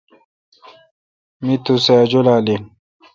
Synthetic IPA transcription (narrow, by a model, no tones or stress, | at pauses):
mit̪usaːd͡ʑolaːlin